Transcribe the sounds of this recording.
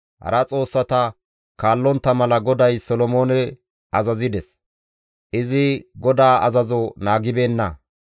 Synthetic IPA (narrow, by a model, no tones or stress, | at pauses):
hɐ̰ɾɐt͡sʼo̞ːsːɐt̪ɐ | kaːlːɔnt̪ːɐmɐlɐɡɔd̪ɐjsɔlɔmo̞ːnɛ | ɐzɐzɪd̪ɛs | ʔɪzɪɡɔd̪aːɐzɐzɔnaːɡɪbe̞ːnːɐ